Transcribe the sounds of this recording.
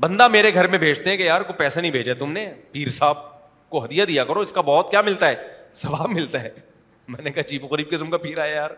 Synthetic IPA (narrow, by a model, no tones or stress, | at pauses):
bɐ̃nd̪ameːɾeɡʱɐɾmẽbʱeːd͡ʒt̪eɦɛ̃kejaːɾkopɛːsanɐɦĩbʱeːd͡ʒaet̪ʊmnepiːɾsaːb̚ | koɦɐd̪ijad̪ijakɐɾoɪskabɔːt̪kjaːmɪlt̪aɦɛːsɐʋaːbmɪlt̪aɦɛː | mɛːnekaɦt͡ʃiːpoɣɐɾiːb̚kɪsəmkapiːɾaːajaːɾ